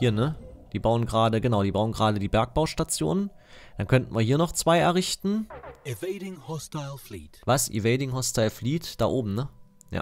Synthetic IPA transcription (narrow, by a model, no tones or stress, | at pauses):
hiːɐnəd̥iːbaʊənɡʁaːdəɡənaʊdiːbaʊənɡəʁaːdədiːbɛɐk̚b̥aʊʃtat͡sjo̰ːnən | d̥ankʰœntn̩viːɐhiːɐnɔχt͡sv̥aɪʔɛɐʁɪçtn̩ɪveɪɾɪ̃ŋhɔstaɪlˠflḭːtvasʔḭveɪdɪŋɦɔstaɪlfliːtd̥aːʔoːbm̩nə | ja̰ː